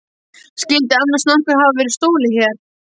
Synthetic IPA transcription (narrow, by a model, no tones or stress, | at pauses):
scɪlt̪ɪanːast̪nahkahavavɛːɾɪɾ̥st̪oːwlɪçɛɾ̥